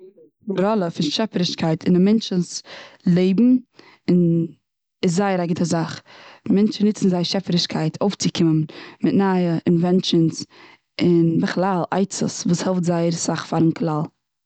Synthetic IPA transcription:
ɾɔlˠəfɪnʃɛfəɾɪʃkaɪtʰɪnɪmɛnt͡ʃəslˠeɪbm̩ | ɪn | ɪs̬zaɪəɾaɡɪtəzaχmɛnt͡ʃnɪt͡sn̩zaɪɾʃɛfəɾɪʃkʰaɪtʰoʊft͡sɪkʰɪmənmɪtnaːjəʔɪnvɛnt͡ʃəns | ɪnbəχlˠalˠa̰ɪt͡sə̰svuːshɛlˠftzaɪəɾsaχfaɾənklˠalˠ

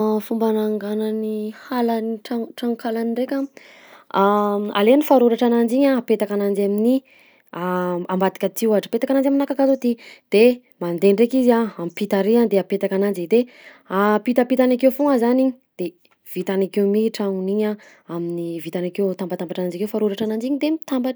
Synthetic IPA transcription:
fumbanaŋɡananihalaniʈ͡ʂaʈ͡ʂaŋkʰalanirekʲa | a̰lenifaɾuɾaʈ͡ʂanand͡ʒiɲaapet̪akanand͡ʒamini | aambat̪i̥kʲat̪iwaʈ͡ʂə̥pet̪akanand͡ʒaminakakazod̪id̪̥e | mand̪eɳrekizaampit̪aɾiand̪eapet̪akanand͡ʒid̪e | apit̪apit̪anakewfoŋəzaniɲ | d̪̥e | v̥it̪anakewmiʈ͡ʂaŋuniɲa | aminivit̪anakewt̪ambat̪ambaʈ͡ʂanand͡ʒakewfaɾuɾaʈ͡ʂanand͡ʒiɲid̪emit̪ambaʈ͡ʂ

